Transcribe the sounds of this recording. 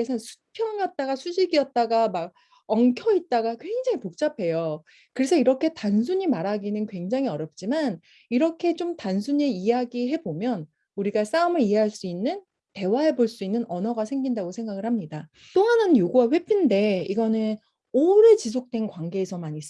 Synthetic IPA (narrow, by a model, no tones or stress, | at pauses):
esʰansʰu̥pʰjʌŋʌt̚t͈aɡasʰuɕʰiɡiʌt̚t͈aɡamaɡ̚ | ʌŋkʰʌit̚t͈aɡakwe̞ŋd͡ʑaŋipok̚t͡ɕ͈apʰe̞jo | kɯɾe̞sʰʌiɾʌkʰe̞tans̬ʰuɲimaɾɦaɡinɯnkwe̞ŋd͡ʑaŋɦiʌɾjʌp̚t͡ɕ͈iman | iɾʌkʰe̞t͡ɕomtansʰuɲiiaɡiɦe̞bomjʌn | uɾiɡas͈aumɯɾije̞ɦaɭs͈uinːɯn | te̞waɦe̞boɭs͈uinːɯnʌnʌɡasʰe̞ŋɡindaɡosʰe̞ŋɡaɡɯɭhamɲida | t͈oɦanɯnjoɡuwaɸwe̞pʰinde̞iɡʌnɯn | oɾet͡ɕis̬ʰok̚t͈we̞nkwaŋɡe̞ːsʰʌmaɲis͈